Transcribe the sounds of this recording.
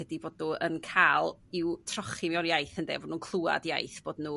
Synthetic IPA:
ədiboːdʊənkʰalˠiwtʰrɔχɪmɛɔnjajθəndḛːvɔnuːnkʰlˠua̰dja̰jθb̥oːdnuː

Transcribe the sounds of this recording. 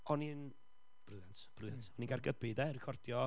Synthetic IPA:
ɔnin | b̥ruðantb̥ruðantɔnĩnɡarɡəbɪdɛrɪkʰɔrdjɔ

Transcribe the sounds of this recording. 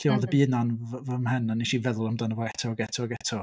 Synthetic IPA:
ɬiɔlˠðəbiənanvəmhənanːiʃivɛðlˠamdanəvɔɛtʰɔɡɛtʰɔɡɛtʰɔ

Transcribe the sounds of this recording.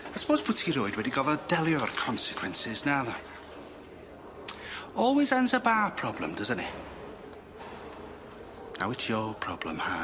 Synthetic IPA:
asə̥pʰoːzbʊtʰiɾoɨdwɛdiɡɔvəd̥ɛlˠjɔərkʰɔnsɪ̥kʰwɛ̃nsɪznaðɔ | ɔlˠwɪzanzəbaːpʰɹ̥ɔblˠə̰̃mdəzə̃nʔḭ | na̰wɪt͡ʃjɔpʰɹ̥ɔblə̰̃mha̰

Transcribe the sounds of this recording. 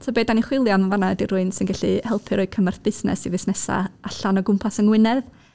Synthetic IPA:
tʰobeːdaniχwɪlˠjaməvanadiɾʊɨnsɪnɡɛɬihɛlˠpʰɨɾɔɨkʰəmarθb̥ɪsnɛ̰sivɪsnɛsa̰aɬanɔɡʊmpʰasənwɪnɛð

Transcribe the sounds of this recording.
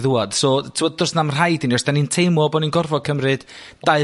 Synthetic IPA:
ðuad̥sɔːtʰəmɔd̚dɔsnamr̥ajdiniɔsd̥anintʰejmɔbɔninɡɔrvɔkʰəmrɨd̥ | d̥aɨ

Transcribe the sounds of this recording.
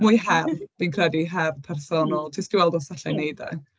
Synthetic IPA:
mʊjhɛrb̥inkʰrɛdiɦɛrpʰɛrsɔnɔlˠtʰɪsɡ̥iwɛlˠdɔsaɬajnejdɛ̰

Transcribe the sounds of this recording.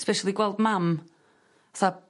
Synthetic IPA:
spɛʃalˠiɡwɛlˠdmam | aθa

